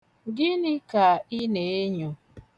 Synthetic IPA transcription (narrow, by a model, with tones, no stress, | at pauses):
ɡɪ˦nɪ˦ka˨ɪ˦ne˨˦e˦ɲo˨